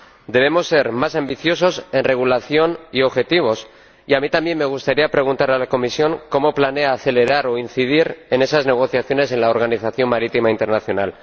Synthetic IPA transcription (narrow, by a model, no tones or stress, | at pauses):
d̪e̞β̞e̞mo̞sːe̞ɾmasambiθjo̞so̞se̞nre̞ɣ̞ulaθjo̞nio̞βxe̞t̪iβ̞o̞s | iamit̪ambje̞nːme̞ɣ̞ust̪aɾiapɾe̞ɣunt̪aɾalako̞misjo̞ŋko̞mo̞plane̞aːθe̞le̞ɾaɾo̞inθið̞iɾe̞ne̞sazne̞ɣ̞o̞θjaθjo̞ne̞s̬e̞nlaoɾɣ̞aniθaθjo̞mmaɾit̪imaint̪e̞ɾnaθjo̞nal